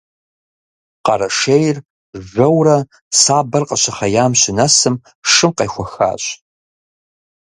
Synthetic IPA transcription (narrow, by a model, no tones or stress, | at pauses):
qɐɾɐʂejr | ʒɐwrɐ | saːbɐrqɐɕɐχɐjaːmɕɪnɐsɨm | ʂɨmqɐ̰jxʷɔxa̰ːɕʼ